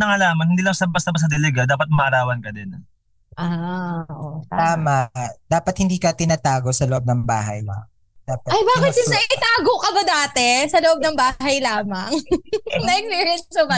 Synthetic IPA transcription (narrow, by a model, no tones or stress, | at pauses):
nɐŋɐlaːmɐnhɪnd̪iːlɐŋsɐbɐst̪ɐbɐs̬ɐd̪ɛlɛɡɐd̪aːpɐt̪̚mɐʔɐɾaːwɐnkɐd̪ɪn | ʔaːʔoaːmad̪̥aːpɐt̪̚hɪnd̪iːkɐt̪ɪnaːt̪aːɡo̞sɐloʔo̞b̚nɐŋba̰ːɦɐ̰jlɐ̰ŋ | d̪̥aːpɐtɐjbaːkɪt̪sɪsɐɪt̪aːɡokɐbɐd̪aːt̪ɛsɐloʔo̞bnɐŋbaːɦɐjlaːmɐŋnɐʔɛkspiːɹɪɛnsɐsʊɡɐ